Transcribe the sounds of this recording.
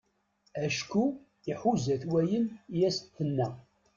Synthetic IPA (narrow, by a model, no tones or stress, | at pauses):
æʃku | iħuzæθwæjənjæsθənːæ